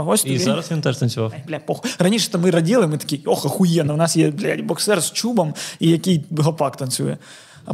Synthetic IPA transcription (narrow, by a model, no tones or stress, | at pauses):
ɐɦosʲt̪ʲzaɾɐsʋʲint̪ɛʂt̪ɐnsʲʊʋɑfd̪lʲɐpoxʊrɐnʲiʂɛt̪ɐmɪɾɐdʲilˠɪmɪt̪ɐ̥kʲioxɐxʊjɛnɐwnɑsjɛd̪lʲadʲibɔksɛrst͡ʃubɐmijɐkʲijɦˠɐpɑkt̪ɐnsʲṵjɛ | ɐ